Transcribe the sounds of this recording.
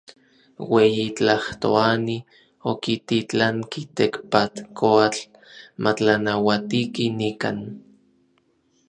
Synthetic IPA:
wejit͡ɬaht̪o̰ani | okit̪it͡ɬaŋkit̪ekpat̪koat͡ɬ | mʔat͡ɬanawat̪ikinika̰n

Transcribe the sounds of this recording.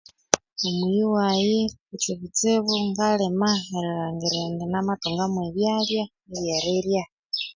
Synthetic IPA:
omujiwajeut͡ʃeβit͡seβoŋɡalemaeɾiɾaːŋɡeɾendenamatoŋɡamweβjaːlja | eβjaɾeɾja

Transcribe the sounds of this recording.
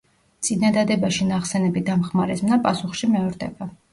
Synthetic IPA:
t̪sʼinad̪ad̪ɛbaʃinaχsɛnɛbid̪amχmaɾɛsmnapʼasuχʃimɛɔɾd̪ɛ̰ba

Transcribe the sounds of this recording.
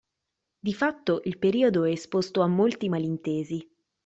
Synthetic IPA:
d̪ifat̪ːoʔilpeɾiːod̪oɛːspost̪oamːolt̪imalint̪eːzi

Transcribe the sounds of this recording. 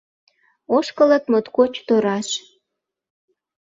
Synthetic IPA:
oʃkələt̪mot̪kot͡ɕt̪øɾɑʃ

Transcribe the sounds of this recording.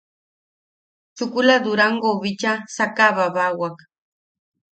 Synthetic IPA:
t͡ʃʊkʊlad̪ʊɾaɴɢoβɪt͡ʃasakaβaβawak

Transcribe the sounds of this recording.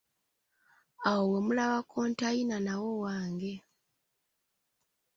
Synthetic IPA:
awowe̞mulaβakʰoːntajinanawo̞waːŋɡe̞

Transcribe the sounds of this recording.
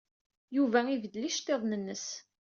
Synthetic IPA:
juvæivəd̪liʃt̪ːeðˤnənːəs

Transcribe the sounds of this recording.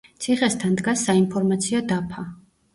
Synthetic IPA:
t̪sʰiχɛst̪ʰand̪ɡasːainpʰɔɾmat̪sʰiad̪apʰa

